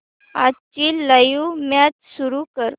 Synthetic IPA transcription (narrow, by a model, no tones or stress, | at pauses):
at͡ɕiːləjumjat͡ɕsuɾukəɾ